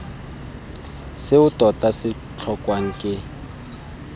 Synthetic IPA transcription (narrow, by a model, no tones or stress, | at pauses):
sɪʊtʼɔtʼasɪ | t͡ɬʰɔkʼwaŋ̩kʼɪ